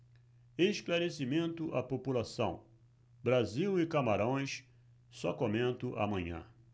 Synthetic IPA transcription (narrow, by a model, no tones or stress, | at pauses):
eʃklaɾesimẽnt̪ʊʔa̰populasɐ̰̃w̃ | bɾaziwɪkamaɾõj̃s | sɔkomẽnt̪ʊʔa̰mɐ̃ɲɐ̰̃